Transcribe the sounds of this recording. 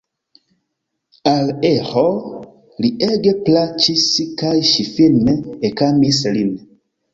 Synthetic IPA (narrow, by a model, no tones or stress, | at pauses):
aleho | liʔeɡeplat͡ʃiskajʃifinekamislin